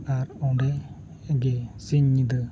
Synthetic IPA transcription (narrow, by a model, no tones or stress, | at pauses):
aɾɔdɛ | ɡesiɲːid̪ɯ